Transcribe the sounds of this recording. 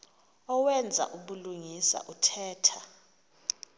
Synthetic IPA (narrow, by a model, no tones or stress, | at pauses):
ɔwɛnd͡zʱa̰ʔuɓuluŋisa̰ʔutʰɛːtʰa